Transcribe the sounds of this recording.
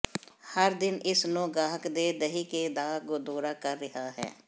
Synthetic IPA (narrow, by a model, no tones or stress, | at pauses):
həɾd̪ɪnɪsnoːɡaːɦəkd̪eːd̪əɦiːkeːd̪aːɡʊd̪oːɾaːkəɾːɪɦaːɦɛ̰ː